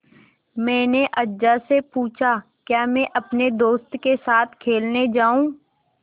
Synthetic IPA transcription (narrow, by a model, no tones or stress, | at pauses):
mɛ̃ːneʔɐdd͡ʒasepuːt͡ʃʰa | kjaːmɛ̃ʔɐpned̪oːst̪kesaːt̪ʰkʰeːlned͡ʒaːũː